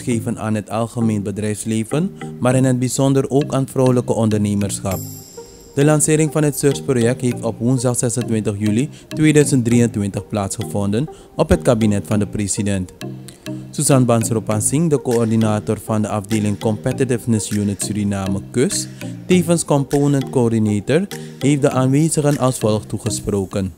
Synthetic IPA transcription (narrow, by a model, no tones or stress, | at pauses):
xeːvəna̰ːnɦətɑlˠχəmeːnbədrɛjfsleːvənmaːɾɪnɦət̚bizɔndəroːkaːnfrɔwləkəʔɔndərneːmərsxɑp̚ | d̥əlɑnsɪːɾɪŋfɑnɦətsørsprojɛk̚tɦeːftɔpʋunzdɑχsɛsəntʋɪntəχjyli | tʋeːdœɥzənt̚driːəntʋɪntəχplaːtsχəvɔndən | ɔpɦət̚kabinɛtfɑndəpresidɛnt | suzɑnbɑnsropansɪŋdəkoɔrdinaːtorfɑndəʔɑfdeːlɪŋkɔmpɛtitɪfnəsjunətsyɾinaːməkøsteːvənskɔmponɛntkoːrdineːtərɦeːfdəʔaːnʋeːzəχənʔɑlˠsfɔlˠχtuχəsproːkən